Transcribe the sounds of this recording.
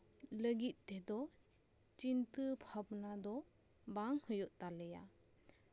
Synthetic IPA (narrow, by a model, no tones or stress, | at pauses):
ləɡit̪̚ded̪ɔ | t͡ʃintɯpʰabnadɔbaŋhɯjɔʔtaleja̰